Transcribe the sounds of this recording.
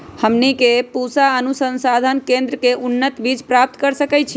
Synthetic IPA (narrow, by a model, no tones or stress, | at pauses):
həmnikepusaənusənsad̪ʱənkẽnd̪ɾəkeʔunːət̪bid͡ʒpɾap̚t̪kəɾsəkɛt͡ʃʰi